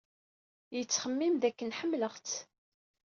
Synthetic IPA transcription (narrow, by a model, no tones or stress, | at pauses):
jət͡sːχəmːimðækːənħəmːləχt͡s